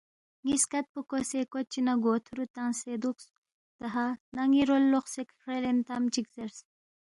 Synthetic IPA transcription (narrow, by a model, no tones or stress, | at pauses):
ŋiskɐt̪̚pukosekot͡ʃinaɡoːt̪ʰuɾut̪ansed̪uks | t̪ɐɦanaŋiɾolːoχsekʰɾelent̪amt͡ʃikzɐɾs